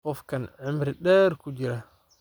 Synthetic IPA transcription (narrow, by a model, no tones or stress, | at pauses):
kɔfkanʕɪmɾiɗɛɾkud͡ʒiɾa